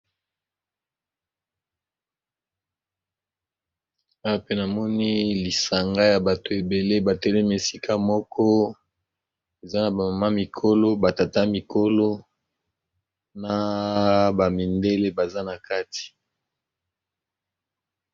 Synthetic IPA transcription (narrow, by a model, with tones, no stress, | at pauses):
a˦wa˨pe˦na˨mɔ˦ni˦li˨sa˨ŋɡa˦ja˨ba˨to˨e˨be˨le˦ba˨tɛ˦lɛ˦mi˨e˨si˦kʰa˦mɔ˦kʰɔ˦ | e˨za˦na˨ba˨ma˨ma˦mi˨kʰo˦lo˦ba˨ta˨ta˦mi˨ko˦lo˦ | na˦˨ | ba˨mi˨nde˦le˦ba˨za˦na˨ka˦ti̥˨